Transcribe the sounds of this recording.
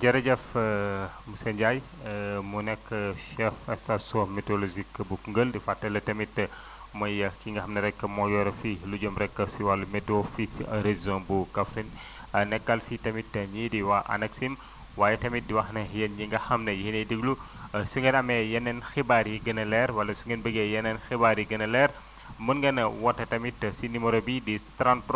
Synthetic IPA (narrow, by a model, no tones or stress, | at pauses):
d͡ʒɐɾɐd͡ʒɐf | musɐɲɟaj | munɛkːʃɛfɐstasomɛtolozikːbukuŋɡəldifatːɐlɐtɐmitːɐ | mɐjɐkiŋɡɐhɐmnɐɾɛkːɐmɔjɔɾɐfilud͡ʒɐmɾɛkːɐsiwalumɛtofisɐɾezzõnbukɐfɾin | ɐnɛkːɐlfitɐmitːɐɲidiwaʔɐ̰nɐksim | waːjɛtɐmit̚diwɐxnɐjɐnjiŋɡɐhɐmnɐjhinɐdiɡlu | suŋɡɐnɐmɛjɛnɛnxibaɾiɡɐnɐlɛɾwɐlɐsuŋɡɐnbəɡɛjɐnɛnxibaɾiɡɐnɐlɛɾ | munɡɐnɐwɐtːɐtɐmitːɐsinimoɾobidistɾanpɾ